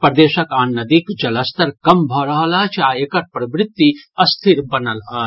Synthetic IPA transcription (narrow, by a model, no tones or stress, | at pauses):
pɾɐd̪eːʃɐkaːnːɐd̪ikd͡ʒɐlɐst̪ɐɾkɐmbʱɔɾɐɦɐlɐɦt͡ʃʰaːeːkɐɾpɾɐbɾɪt̪ːiɐst̪ʰiɾbɐnɐlɦɐɦ